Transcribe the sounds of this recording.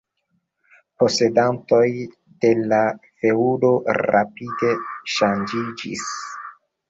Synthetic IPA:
po̞se̞danto̞j | d̥e̞lafe̞udo̞ɾa̰pide̞ʃand͡ʒid͡ʒḭs

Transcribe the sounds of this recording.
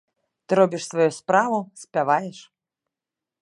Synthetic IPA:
t̪ɨɾɔbʲiʂsvajuspɾavusʲpʲavajɛʂ

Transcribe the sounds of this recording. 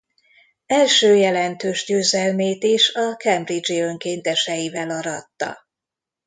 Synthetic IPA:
ɛlʃøːjɛlɛnt̪øːʒɟøːzɛlmeːt̪iʃɒkɛmbrid͡ʒiø̞ŋkeːnt̪ɛʃɛjivɛlɒɾɒt̪ːɒ̰

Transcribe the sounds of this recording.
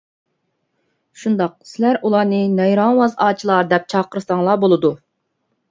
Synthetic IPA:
ʃund̪ɑq̚sɪlæɾʔulˠɑːnɨnɛjɾɑŋwɑzɑːt͡ʃʰilˠɑɾd̪ɛp̚t͡ʃʰɑːqəɾɨst̪ɑŋlˠɑbolˠɨd̪u

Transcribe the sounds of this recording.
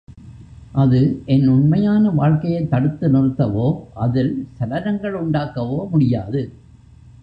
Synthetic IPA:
ʔɐðɯʔɛnʊɳmɐjaːnɐʋaːɻkɐjɐɪt̪ːɐɽɯt̪ːɯnɪrɯt̪ːɐʋoːʔɐðɪlsɐɽɐɾɐŋɡɐɭʊɳɖaːkɐʋoːmʊɽɪjaːðɯ

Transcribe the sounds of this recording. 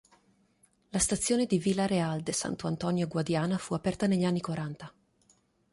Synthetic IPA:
last̪at̪sːjoːned̪ivilːaɾeald̪esa̰nt̪oant̪ɔnjoɡwad̪jaːnafuapɛrt̪aneʎːanːikwaɾant̪a

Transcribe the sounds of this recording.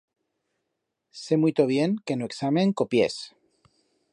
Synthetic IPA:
se̞mujt̪oβjeŋkenoeksamẽŋkopjḛs

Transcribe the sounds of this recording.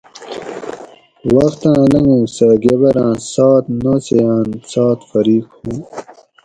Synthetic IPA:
waxt̪ãːlɐŋũːsaɡeβɐɾãːsɑːt̪not͡sejãːnt͡sɑːt̪fɐɾiːkhũ

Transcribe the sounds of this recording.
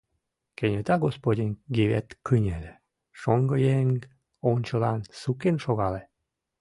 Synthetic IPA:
kenʲet̪ɑɡospodʲinɡiβḛt̪kynʲel | ʃoŋɡəjeŋɡ | onʲt͡ɕəlɑnsukenʃoɣɑle

